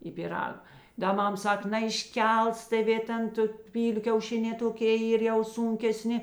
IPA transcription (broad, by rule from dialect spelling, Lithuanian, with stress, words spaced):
ɪ pʲɪˈrɐk ˈdɐ ˈmɐm ˈsɐk nɐɪʃʲˈkʲɛlˠs tʲeːˈʋʲeː ˈtʲɛn tʊ ˈpʲiːlʲʊ kʲɛʊˈʃʲɪnʲɛː toːˈkʲeː ˈiːr jɛʊ ˈsuːŋʲkʲɛˌsʲnʲɪ